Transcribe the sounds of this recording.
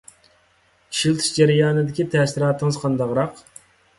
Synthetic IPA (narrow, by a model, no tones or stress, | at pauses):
i̥ʃilˠt̪ʰɨ̥ʃd͡ʒæɾɪjɑːnɨd̪ɪkʲit̪ʰɛsiɾɑːt̪ːɨŋɨzqʰɑnd̪ɑʁɾɑq